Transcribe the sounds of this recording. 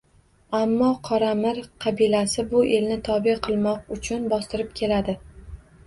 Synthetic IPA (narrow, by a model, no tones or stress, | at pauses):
amːɒqʰɒɾamɪɾqʰɑbilasɪbʊʔe̞lnɪt̪ʰɒbɪqʰɨlˠmɒq̚ʊt͡ʃʰʊnbɒst̪ɪɾɪp̚kʲʰe̞lad̪ɪ